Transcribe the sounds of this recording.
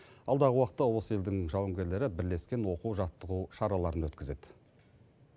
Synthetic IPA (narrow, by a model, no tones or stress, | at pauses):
ɑlˠd̪ɑʁəwɑqə̥t̪ːɑwo̞səe̞ld̪ɪŋʒɑwəŋɡʲe̞ɾle̞ɾɪbɪɾle̞skʲe̞nwo̞quwʒɑt̪ːəʁuʃɑɾɑlˠɑɾənwɵt̪kʲɪze̞d̪̥